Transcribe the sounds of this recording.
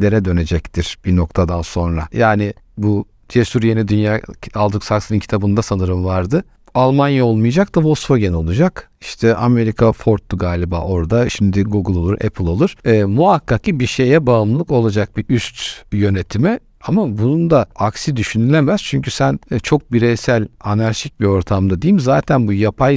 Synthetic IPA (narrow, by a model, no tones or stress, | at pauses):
le̞ɾɛd̪ø̞ne̞d͡ʒɛct̪ʰiɾ̥b̥ino̞kt̪ʰad̪anso̞nɾa̰jaːnɪbu | t͡ʃ̪ʰesuɾje̞nid̪ynjaːalˠd̪ɯksaksɯnɯncʰi̥t̪ʰabɯnd̪asanɯɾɯmvaɾd̪ɯ | alˠmanjao̞lˠmuijad͡ʒak̚d̪avo̞sfoɟeno̞lˠud͡ʒak | i̥ʃt̪ʰɛʔame̞ɾikʰafo̞ɾt̪ːuɡaːlʲibaːʔo̞ɾd̪aʃimd̪iɡuɡɯlˠo̞lˠuɾɛ̰pʰɯlˠo̞lˠuɾ̥ːmuɦakʰːakcibiʃe̞jɛbaɯmlˠɯko̞lˠad͡ʒak̚biʔyst̪jø̞ne̞t̪ʰimɛ | amabunund̪aaksid̪yʃynylʲemæz̥t͡ʃʰyɲcysænt͡ʃʰo̞k̚biɾejsælʲanaɾʃic̚bio̞ɾt̪ʰamd̪ad̪ejimzaːt̪ʰænbujapʰaj